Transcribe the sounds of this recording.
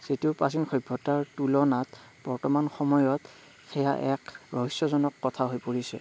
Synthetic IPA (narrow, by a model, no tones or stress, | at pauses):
z̥etiʊpasinxɔjbʱːɔtaɹtulɔnat | b̥ɔɹtɔmanxɔmɔjɔt | xɛja̰ʔɛkɹɔɦisːɔzɔnɔkːɔtʰaɦojpoɹisɛ̰